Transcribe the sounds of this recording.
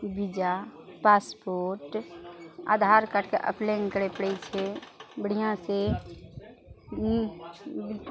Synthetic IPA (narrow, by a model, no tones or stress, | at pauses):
bid͡ʒapaːspoːɾʈ | a̰ːd̪ʱaːɾkəʈkḛʔə̰plenkəɽepəɽeit͡ʃʰebəɽijãse